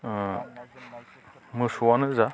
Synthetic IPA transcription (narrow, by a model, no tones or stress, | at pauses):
mɯsuwanɯza